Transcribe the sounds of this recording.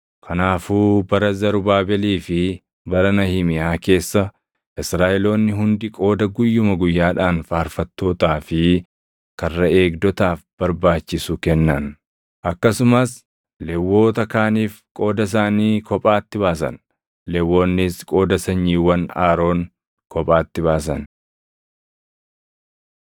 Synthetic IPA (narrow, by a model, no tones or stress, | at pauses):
kʰɐnaːfuːbɐɾɐzɐɾʊbaːbɛliːfɪ | bɐɾɐnɐhɪmɪjaːke̞ːsːɐ | ʔɪsɾaːʔɛlo̞ːnːɪɦʊnd̪ɪkʼo̞ːd̪ɐɡʊjːʊmɐɡʊjːaːᶑaːnfaːɐɾfɐt̪ːo̞ːt̪aːfɪ | kɐrːɐe̞ːɡd̪ɔt̪aːfb̥ɐɾbaːt͡ʃːɪsʊkɛnːɐn | ʔɐkːɐsʊmɐs | lɛwːo̞ːt̪ɐkaːniːfkʼo̞ːd̪ɐs̬aːniːkɔpʼaːt̪ːɪβaːsɐ̰n | lɛwːo̞ːnːɪskʼo̞ːd̪ɐsɐɲːiːwɐnaːɾo̞ːn | kʰɔpʼaːt̪ːɪβaːs̬ɐn